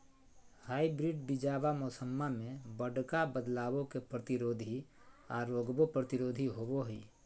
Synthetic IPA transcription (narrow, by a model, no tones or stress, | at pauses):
haːibɾiɖbid͡ʒaːbamɔːsəmːamẽbəɖkabəd̪laːwõkepɾət̪iɾoːd̪ʱi | aːɾːoːɡbopɾət̪ɪɾoːd̪ʱiɦoːboɦḭː